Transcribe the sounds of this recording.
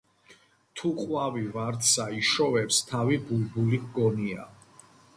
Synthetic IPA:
t̪ʰuqʼwavivaɾt̪ʰsaiʃɔvɛpst̪ʰavibulbuliɡɔnia̰

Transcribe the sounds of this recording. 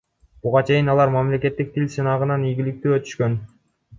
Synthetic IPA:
b̥uʁɑt͡ʃʰe̞jinɑlˠɑɾmamle̞ke̞t̪ːik̚t̪ʰilʲsɯnɑʁɯnɑnijɡʲilik̚t̪yːø̞t̪y̥ʃkø̞n

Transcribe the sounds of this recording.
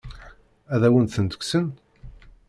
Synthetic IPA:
æðæwənt̪θənd̪ə̥kʷsən

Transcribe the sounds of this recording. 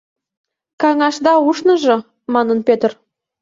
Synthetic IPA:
kɑŋɑʃd̪ɑuʃnɤ̆ʒɤ̆ | mɑnə̆npʲet̪r

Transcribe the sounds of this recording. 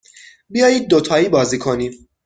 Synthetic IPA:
bijɒːjiːd̪̚ːot̪ʰɒːiːbɒːziːkʰo̞niː

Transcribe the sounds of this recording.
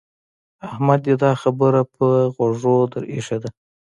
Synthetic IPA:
ahmad̪jed̪ɑxabəɾapəɣoʐod̪əɾḭʂad̪a

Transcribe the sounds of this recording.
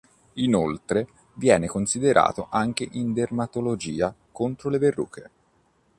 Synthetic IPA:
inolt̪ɾe | vjɛːnekonsid̪eɾʔa̰ːt̪oʔaŋk̟eʔind̪ermat̪olod͡ʒiːakont̪ɾoleverːṵːkʰe

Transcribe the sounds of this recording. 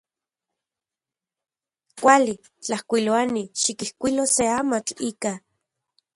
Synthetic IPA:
kʷali | t͡ɬahkʷiloaniʃikihkʷiloseamat͡ɬiːka

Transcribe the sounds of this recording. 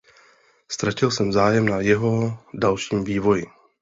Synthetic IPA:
st̪ɾacɪlsɛmvzaːjɛmnajɛɦo̞dalʃiːmviːvo̞jɪ

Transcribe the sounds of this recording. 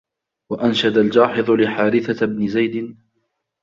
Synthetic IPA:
waʔanʃad̪ald͡ʒaːħɪðˤʊlɪħaːɾɪθabnɪzajd̪ɪn

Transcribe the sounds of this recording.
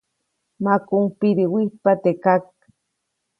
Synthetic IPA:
makʊŋpiɾiwipat̪ekak̚

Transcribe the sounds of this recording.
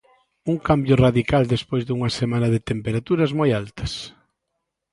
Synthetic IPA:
uŋkambjʊraðikald̪espojzðuŋɐsemanɐðet̪empeɾat̪uɾɐzmojalt̪ɐ̥s

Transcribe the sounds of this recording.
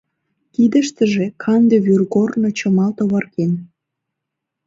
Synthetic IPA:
kid̪ə̆ʃt̪ə̆ʒekʰɑnd̪eβyrɣornot͡ɕə̆mɑlt̪oβɑrken

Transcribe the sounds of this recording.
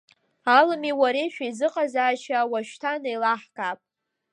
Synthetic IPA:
alɨmiwaɾeʃᶣaizɨqʼazaːʃawaʃᶣtʰanajlaħkʼapʼ

